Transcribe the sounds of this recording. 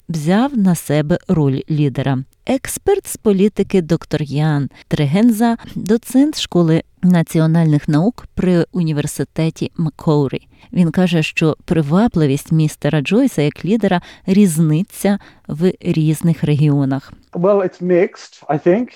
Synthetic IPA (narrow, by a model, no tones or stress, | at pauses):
wzʲɑwnɐsɛbɛrɔlʲlʲid̪eɾɐ | ɛkspɛrt̪spɔlʲit̪ɪkɪd̪ɔkt̪ɔrjɑnt̪ɾeɦenzɐd̪ɔt̪sɛnt̪ʃkɔlˠɪ | nɐt͡sʲiɔnɑlʲnɪxnɐukpɾɪʊnʲiʋersɪt̪ɛtʲimɐkʰɔwɾʲḭ | ʋʲinkɑʒɛʃt͡ʃɔpɾɪʋɑplˠɪʋʲisʲtʲmʲist̪ɛɾɐd͡ʒɔjsɐjɐklʲid̪eɾɐɾʲiznɪt͡sʲːɐwɾʲiznɪxɾeɦʲiɔnɐxwɛlˠɪtsmɪkstaɪθɪ̃ŋk